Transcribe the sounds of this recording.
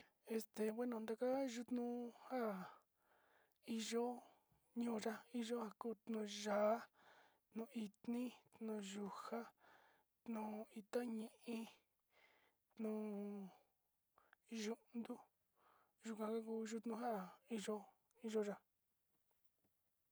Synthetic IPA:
e˧st̪e˨βe˦nõ˧˨nd̪a˧ka˦ʒu˧t̪nũ˦ha˦˨ | i˧ʒo˦ | ɲũː˦˧ʐa˦i˦ʒo˦ha˧kuː˦t̪nũ˧ʒaː˨˦ | t̪nũ˧˨˧i˧t̪nĩ˦t̪nũ˧˨ʒu˧ha˦ | t̪nũ˨i˧t̪ã˦ɲĩ˦ʔĩ˧ | t̪nũː˧˨ | ʒu˦ʔnd̪u˦ | ʒu˧kʷã˧ka˦k̬uː˦ʒu˦t̪nũ˧ɦa˦˨i˧ʒo˦ | i˧ʒo˦ʒa˧

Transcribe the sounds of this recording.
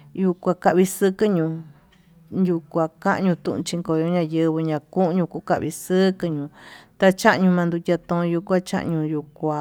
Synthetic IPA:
ju˧kʷa˧ka˧ʔβi˧sɨ˦kɨ˦ɲũ˧ | ju˧kʷa˨kã˦ʔɲũ˧t̪ṵ̃˧ʔṵ̃˧t͡ʃi˧ŋko˨jõ˧˦ɲã˧jɨ˧βɨ˧ɲã˧kũ˦ʔɲũ˧ku˧˦ka˧ʔβi˧sɨ˦kɨ˧ɲũ˧t̪a˧t͡ʃã˦ʔɲũ˧mã˧nd̪u˧tʲa˧t̪õ˧ju˧kʷa˦t͡ʃa̰˦ʔɲũ˧ju˧kʷa˧

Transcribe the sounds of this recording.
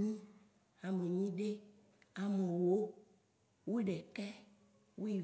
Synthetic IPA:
nĩ˦ | a˨me˨ɲĩ˦ɖe˦ | a˨me˨wo˦ | wo˦ɖɛ˨kɛ˦ | wʔo˦i˨

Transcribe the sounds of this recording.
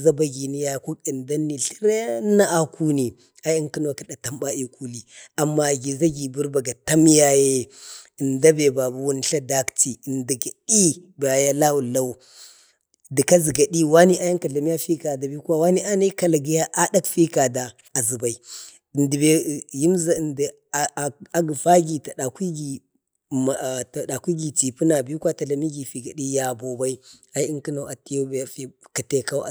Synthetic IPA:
za˦ba˦ɡi˨ni˦ja˦jku˦ki˨nda˦nːi˨ɬi˦ɾa˦ja˦nːa˦ʔa˨ku˦ni˨ | a˨˦ja˦ŋki˦n˦wa˨ki˨˦ɗa˨ta˦mba˦i˨kʰu˦li˨a˨mːa˨ɡi˨za˦ɡi˨bu˦ɾba˨ɡa˨ta˦m˦ja˦je˦i˨nda˦be˨ba˨bu˦wu˦n˦ɬa˦da˦kti˨ndi˨ɡa˨di˦ba˨ja˦la˦wu˨la˦u˦ | di˨ka˦zi˨ɡa˨ɗi˦wa˦ni˦ʔa˦ja˦ŋka˨ɬa˨mi˦ja˦fi˦ka˨da˨bi˦kwa˦wa˦ni˦ʔa˦na˦i˦ka˨la˨ɡi˦ja˦ʔa˦da˦kfi˦ka˨daː˨ | zi˨ba˨i˨ | ndi˨be˨ji˦mza˨ndi˨ | a˦ɡi˨fa˦ɡi˨ta˨ɗa˨kʷi˦ɡi˨ | ta˨ɗa˨kʷi˦ɡi˨ti˨pu˦na˨bi˦kwa˦ta˨la˨mi˦ɡi˨fi˨ɡa˨ɗi˦ja˨bo˨ba˦i˦a˦i˦i˦ŋki˦na˨a˨ti˦jo˦bja˦fi˦ka˨te˦˨ka˦a˨

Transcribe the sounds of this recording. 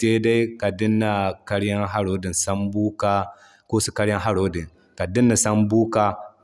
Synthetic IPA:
teː˦da˦jka˨dɪ˦nːa˨ka˦ɾja˦ŋɦa˦ɽo˦di˨nsa˦mbuː˦ka˦ | ko˦su˦ka˦ɾja˦ŋɦa˦ɽo˦dɪ˨ŋ | ka˨dɪ˦nːa˨sa˦mbuː˦kaː˦

